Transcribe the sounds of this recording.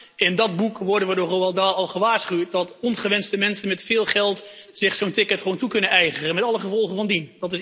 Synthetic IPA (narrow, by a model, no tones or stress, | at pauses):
ɪndɑd̚bukʋɔɹdənʋədoːroɑlˠdaːɑlˠχəʋaːɹsχywt̚dɑtɔnχəʋɛnstəmɛnsənmɛtfɪːlˠχɛlˠtz̥ɪχsowntɪkətχʋowntukɵnənɛjχərənmɛtɑləχəvɔlˠχənvɑndindɑtɪs